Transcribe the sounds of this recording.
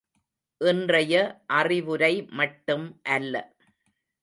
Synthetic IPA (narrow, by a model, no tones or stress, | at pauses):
ʔɪndrɐjɐʔɐrɪʋɯɾɐɪmɐʈːɯmʔɐlːɐ̰